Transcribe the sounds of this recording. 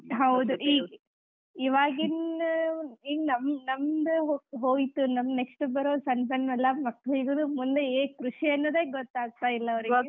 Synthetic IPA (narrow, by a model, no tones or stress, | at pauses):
ɦɐwd̪uʔiːɡ | iʋaːɡin | iːɡnɐmnɐmd̪ɦoɦoːɡit̪ːunɐmne̞ksʈubɐɾoːsɐnpɐɳʋɐlːɐmɐkːɐɭiɡunumund̪eeːkɾuʂiɐnːoːd̪eːɡɔt̪ːaːɡ̚t̪aːilːɐɐʋɐɾie